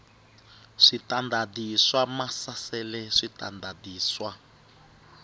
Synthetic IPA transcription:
ʂitandadiswamasasɛlɛʂita̰ndadiːswa

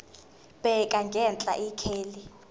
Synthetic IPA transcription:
bʼɛkʼaŋɡʱɛnt͡ɬʼa̰ʔikʰeːli

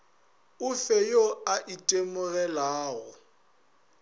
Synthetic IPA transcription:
ʊfejoaʔitʼemʊɣɛlaːɣɔ

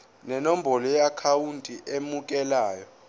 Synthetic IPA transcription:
nɛnom̩bʱɔlɔjakʰawuntʼiʔemuk̬ʼɛlaːjɔ

